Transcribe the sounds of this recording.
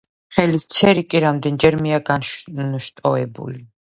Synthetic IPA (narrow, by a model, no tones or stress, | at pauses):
χɛlist̪sʰɛɾikʼiɾamd̪ɛnd͡ʒɛɾmiaɡanʃnʃt̪ʼɔɛbṵli